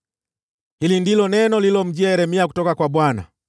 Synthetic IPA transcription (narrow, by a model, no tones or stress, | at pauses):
hilindilɔnɛnɔlilɔm̩d͡ʒiaɛɾɛmiaku̥tɔkakwabwana̰